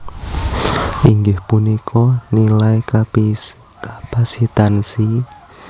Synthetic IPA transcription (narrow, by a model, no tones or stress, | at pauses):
ʔiŋɡɪhpunikʰɔnilai | kapasit̪ansi